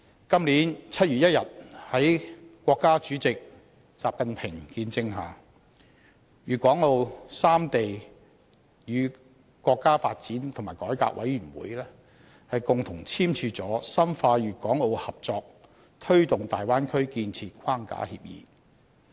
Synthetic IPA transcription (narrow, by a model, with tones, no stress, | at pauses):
kɐ˥mliː˨˥nt͡sʰɐ˥t̚ɥyː˨t̚jɐ˥t̚jɐ˨t̚hɐ˨˥jkʷɔː˧kːaː˥t͡ʃyː˨˥t͡sɪ˨k̚ | t͡saː˨p̚kɐ˨npʰɪ˨˩ŋkiː˧nt͡sɪ˧ŋɦaː˨ | jyː˨˩kʷɔː˨˥ŋlo˧wsaː˥mt̪e˨j | jyː˨˧ | kʷɔː˧kːaː˥faː˧t̚t͡siː˨˥nt̪ʰʊ˨˩ŋmaː˨˩jkɔː˨˥jka̰ː˧k̚wɐ˨˥jɥyː˨˩nwṵː˨˥jlɛː˥ | hɐ˨jkʊ˨ŋt̪ʰʊ˨˩ŋt͡sʰiː˥mt͡ʃʰyː˧t͡sɔː˨˥sɐ˥mfaː˧jyː˨kɔː˨˥ŋlo˧whɐ˨p̚t͡sɔː˨˧k̚ | t̪ʰɵ˥ɥt̪ʊ˨ŋt̪aː˨jwaː˥nkʰɵ˥ɥkiː˧nt͡sʰiː˧t̚kʷʰwaː˥ŋka̰ː˨˥hḭː˧p̚jḭː˨˧